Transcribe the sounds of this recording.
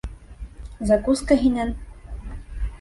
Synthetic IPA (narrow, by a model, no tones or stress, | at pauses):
zakuskaɦinæn